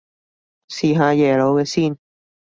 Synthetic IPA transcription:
siː˨˩ɦãː˧˨jɛ˨lo˧˦e˧si˥˨n

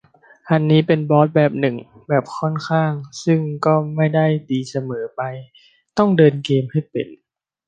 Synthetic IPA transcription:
ʔa˧nːiː˦˥pe˧nbɔː˦˥t̪̚bɛː˨˩p̚nɯ˨˩ŋ | bɛː˨˩p̚kʰɔ˥˩˨nkʰaː˥˩ŋsɯ˥˩ŋkɔː˥˩ma˥˩jda˥˩jt̪iː˧sa˧mɤː˩˦pa˧j | t̪ɔ˥˩ŋdɤː˧nkeː˧mha˥˩jpḛ˨˩n

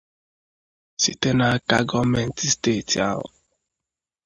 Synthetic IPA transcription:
si˨te˦na˨a˦ka˦ɡɔ˦me˨n̩˦ti˦ste˦˨ti˨a̰˦ɦɔ̰˨

